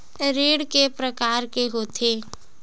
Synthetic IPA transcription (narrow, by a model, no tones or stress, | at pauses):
ɾeːɽkepɾəkaːɾkeɦoːt̪ʰeː